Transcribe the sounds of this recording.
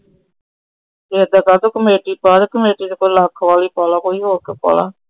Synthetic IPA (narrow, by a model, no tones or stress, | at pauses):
eːd̪aːkaːt̪oːkəmeːʈiːpaːd̪ekəmeːʈiːt̪ekolaːkʰʋaːliːpaːlaːkoːiːɦoːɾkəpa̰ːla̰ː